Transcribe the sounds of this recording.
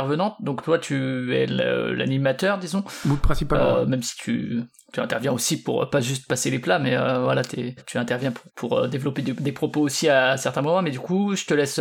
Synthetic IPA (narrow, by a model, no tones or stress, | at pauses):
ɛʁvənɑ̃t̪̚d̪ɔ̃kt̪wat̪ʰyɛ̰lø̰la̰nimat̪œʁd̪izɔ̃bupχɛ̃sipaømɛmsi̥t̪ʰy̰ | t̪yɛ̃t̪ɛʁvjɛ̃osipuʁø̰paʒyst̪̚paseleplamɛøvwa̰lat̪ɛ̰t̪ʰyɛ̃t̪ɛʁvjɛ̃pʰupʰuʁød̪evlɔped̪ed̪epχɔpoosiasɛʁt̪ɛ̃mɔmɑ̃mɛd̪ykuʒət̪əlɛs